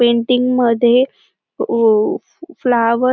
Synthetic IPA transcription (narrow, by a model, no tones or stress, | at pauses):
peɳʈiŋɡməd̪ʱje | flaʋə